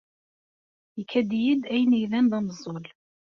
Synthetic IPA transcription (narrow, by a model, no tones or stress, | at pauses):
jəkʰːæd̪jid̪æjənijðænd̪ɑməzˤːol